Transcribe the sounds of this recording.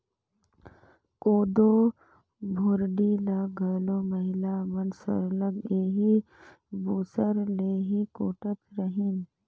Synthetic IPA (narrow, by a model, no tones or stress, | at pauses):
koːd̪oː | bʱʊɾɖilaɡʱəːloːməɦɪlaʋənsə̰ɾləɡeːɦi | buːsəɾleːɦikoːʈət̪ɾəɦin